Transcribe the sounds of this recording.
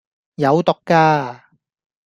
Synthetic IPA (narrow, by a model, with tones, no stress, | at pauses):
jɐ˨˧wt̪ɔ˨˧kːaː˧